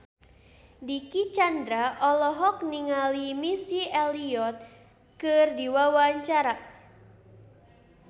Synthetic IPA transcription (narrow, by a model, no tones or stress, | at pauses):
dikit͡ʃandɾaʔɔlɔɦɔk̚niŋalimisiɛliɔt̪̚ | kɨrdiwawaɲt͡ʃaɾa